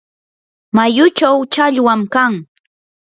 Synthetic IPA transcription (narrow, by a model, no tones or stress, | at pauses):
majʊt͡ʃawt͡ʃaʎwamkaŋ